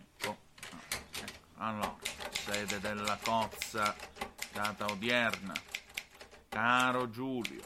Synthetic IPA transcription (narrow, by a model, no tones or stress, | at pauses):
ɛkːo | ɛkːalːɔ̰ːɾasɛːd̪ɛd̪ɛlːakɔt̪sːad̪aːt̪aod̪jɛrna̰ | kaːɾod͡ʒuːlj̰ʊ̰